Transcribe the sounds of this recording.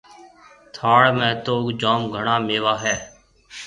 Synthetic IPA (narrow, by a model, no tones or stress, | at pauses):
t̪ʰaːɽmẽːt̪oːɡd͡ʒaːmɡʱəɳaːmeːʋaːɦɛː